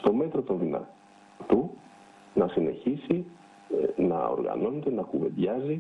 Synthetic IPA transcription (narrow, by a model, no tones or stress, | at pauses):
st̪o̞me̞t̪ɾo̞t̪onðinɐ̰ | t̪u | nɐsine̞̰çisi | nɐ̰o̰ɾɣɐ̰no̞ne̞t̪enɐkuve̞̰d̪ʝɐzi